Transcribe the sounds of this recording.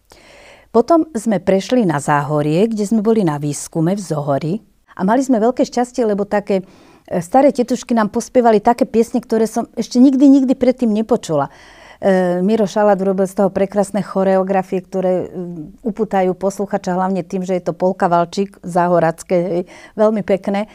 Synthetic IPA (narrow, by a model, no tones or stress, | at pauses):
pɔt̪ɔmzmɛpɾɛʃlinazaːɦɔɾɪɛɡɟɛzmɛbɔlinaʋiːskumɛvzɔɦɔɾi | ʔa̰malizmɛʋɛlkɛːʃcascɪɛlɛbɔt̪akɛː | st̪aɾɛːcɛt̪uʃkinaːmpɔspɪɛʋalit̪akɛːpɪɛsɲɛkt̪ɔɾɛːsɔmɛʃcɛɲiɡd̪iɲiɡd̪ipɾɛt̪ːiːmɲɛpɔt͡ʃula | miɾɔʃalaːd̪uɾɔbilst̪ɔɦɔpɾɛkɾaːsnɛxɔɾɛɔɡɾafiɛkt̪ɔɾɛːupuːt̪ajuːpɔsluxaːt͡ʃaɦlaʊɲɛt̪iːmʒɛjɛt̪ɔpɔlkaʋalt͡ʃiːkzaːɦɔɾat͡skɛːɦɛjʋɛlmipɛknɛ